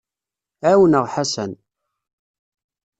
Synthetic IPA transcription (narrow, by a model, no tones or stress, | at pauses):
æwənəʁħasæn